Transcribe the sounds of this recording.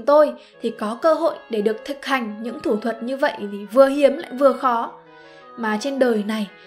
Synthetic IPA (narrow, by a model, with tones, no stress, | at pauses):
ŋ͡mt̪o˧jt̪ʰi˨˩kɔ˨˦kəː˧ɦo̰˧˨jɗe˧˩ɗɨ˨˩ək̚t̪ʰɨ˨˩k̚ha˨˩jŋ̟ɲɨ̰˧˥ŋt̪ʰu˧˩t̪ʰwə˨˩t̚ɲɨ˧və̰˧˨jʔt̪ʰi˨˩vɨ˨˩əɦi˨˦əmla̰ː˧˨jvɨ˨˩əxɔ˨˦ | maː˨˩t͡ɕe˧nɗəː˨˩jna˨˩j